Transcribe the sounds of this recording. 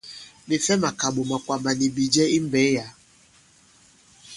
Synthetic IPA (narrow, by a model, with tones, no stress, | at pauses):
ni˨fɛ˦ma˨ka˨ɓo˨ma˨kwa˨ma˨ni˨bi˨d͡ʒɛ˦i˦m˦bɛ˨˦ja˨